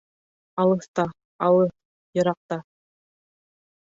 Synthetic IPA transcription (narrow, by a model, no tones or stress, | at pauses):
ɑlˠɤ̆θt̪ɑ | ɑlˠɤ | jɤ̆ɾɑq̚t̪ɑ